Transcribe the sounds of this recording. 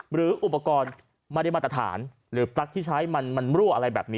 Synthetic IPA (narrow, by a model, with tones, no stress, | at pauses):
ɾɯː˩˦ʔu˨˩pːa˧kɔː˧n | ma˧da˧˩jmaː˧˩t̪ɾa˧t̪ʰa̰ː˩˦n | ɾɯː˩˦pɾa˦˥k̚t̪ʰiː˥˩t͡ɕʰa˦˥jma˧nma˧nɾuː˥˩ʔa˧ɾa˧jbɛː˨˩p̚niː˦˥